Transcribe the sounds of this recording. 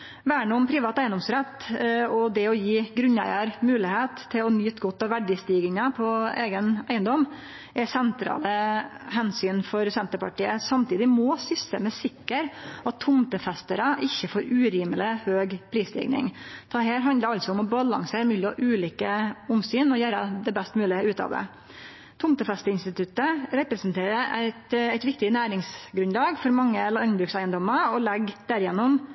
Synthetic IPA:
ʋæːəɳəʊmpʰɾɪʋɑːt̪æɪənd̪ɔmsɾɛt̪ːɔd̪ɛɔjiːɡɾʉnːæ̰ɪəɾmʉːlɪheːt̪ʰːɪlɔnyːt̪ɡɔt̪ːɑʋʋæɖɪst̪iːɡɪŋəpʰɔeːɡənæɪənd̪ɔm | ʔɛsɛnt̪ʰɾɑ̰ːləhɛnsyːnfɔɾsɛnt̪əɾpɑ̰ʈiːəsɑmt̪ʰiːd̪ɪmɔːsʏsə̰mɛsɪkːəɾɑt̪ʰːʊmt̪əfɛst̪əɾəʔɪçːəfoːɾʉːɾiːməlɪhøːɡpʰɾiːslɪ̰ɡnɪ̰ŋt̪ʰɑhæːɾɦɑnd̪ləɾɑlsɔʊmɔbɑlɑŋseːɾmʉːlɪɔʔʉːliːkəʊmsyːnɔjæːɾəd̪ɛbɛst̪mʉːlɪəʉːt̪ɑ̰ːʋd̪ɛ̰ | t̪ʰʊmt̪əfɛst̪əɪnst̪ɪt̪ʰʉt̪ːəɾɛpɾɛsnt̪ʰeːɾəɾæɪt̪æɪt̪ʋɪk̚t̪ɪnæːɾɪŋsɡɾʉnlɑːɡfɔɾmɑŋːəlnbɾʉksæɪənd̪ɔməɔlɛɡd̪̥æɾjɛnːʊm

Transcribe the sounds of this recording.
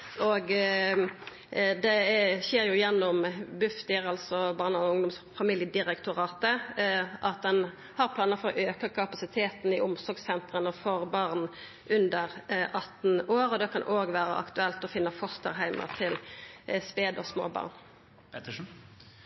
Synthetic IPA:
ɔɡ | d̪ɛɕeːɾjʊjɛnːɔmbʉft̪ɪɾɑlsɔbɑːʁnəɔʊŋd̪ʊmsfɑmiljəd̪ɪɾɛkt̪ʊɾɑːt̪əʔɑt̪̚d̪ɛn | hɑɾpʰlɑːnəfɔɾɔʔøːkəkʰɑpɑsɪt̪ʰeːt̪n̩ɪʔʊmsɔɾɡsɛnt̪ʁənəfɔɾbɑʁn | ʔʉnd̪əɾʔɑt̪ːn̩oːɾɔd̪ɛkʰɑnʔoːɡʋæːɾə̰ʔɑ̰kt̪ʉɛlt̪ɔfɪnːəfɔst̪ə̰ɾɦæɪmə̰ʁt̪ʰɪlspeːd̪ɔsmo̰ːbɑ̰ːʁn

